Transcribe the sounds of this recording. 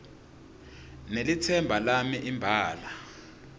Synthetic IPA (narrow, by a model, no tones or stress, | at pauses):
nelitʰɛmbʱalamiʔimbʱaːla